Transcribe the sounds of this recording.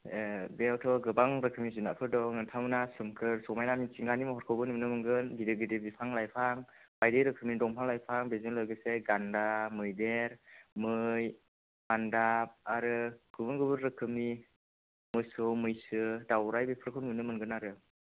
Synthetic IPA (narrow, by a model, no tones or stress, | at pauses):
bewtʰɔɡɯbaŋɾɯkʰɯmizunapʰɯɾdɔŋɯntʰawmnasɯmkʰɯɾsɔmajnamit͡ʃiŋɡanimɔɦɔɾkʰɔwɡɯnɯnɯmɯŋɡɯnɡidɯɡidebipʰaŋlajpʰaŋb̥ajdeɾɯkʰɯmidɔŋpʰaŋlajpʰaŋbezɯnlɯjɡɯseɡandamɯjdeɾmɯj | bandap̚aɾɯɡ̥ɯbɯŋɡɯbɯɾɾɯkʰɯmi | mɯsɯwmɯjsɯdawɾajbepʰɯɾkʰɯnɯnɯmɯŋɡɯnaɾɯ